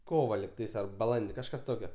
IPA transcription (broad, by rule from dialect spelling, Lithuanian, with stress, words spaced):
ˈkoːʋɐ lʲɪkˈtɐɪs ɐr bɐˈlˠɐnʲdʲɪ kɐʃˈkɐs ˈtoːkʲoː